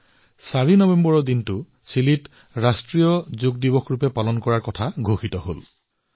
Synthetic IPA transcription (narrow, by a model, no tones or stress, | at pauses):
saɹinɔbembɔɹɔdintʊ | silit | ɹastɹijɔzoɡ̚dibɔkʰɹupɛpalɔnkɔɹaɹkɔtʰaɡʱoxitɔɦol